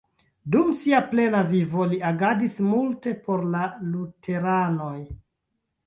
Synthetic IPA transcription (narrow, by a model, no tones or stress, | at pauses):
dumsiaple̞navivoliaɡadismulte̞po̞ɾlalutʰe̞ɾano̞j